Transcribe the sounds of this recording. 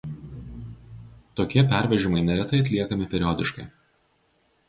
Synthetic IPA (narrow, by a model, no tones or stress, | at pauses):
t̪oːkʲiɛpʲæˑɾʲʋʲɛʒʲɪmɐɪnʲɛɾʲɛt̪ɐɪɐt̪ʲlʲiɛkɐmʲɪpʲɛɾʲɪɔd̪ʲɪʃkɐɪ